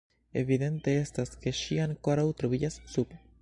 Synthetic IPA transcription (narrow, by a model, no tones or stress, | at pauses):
e̞vid̪e̞nte̞estaske̞ʃiaŋko̞ɾawt̪ɾoviɟasːup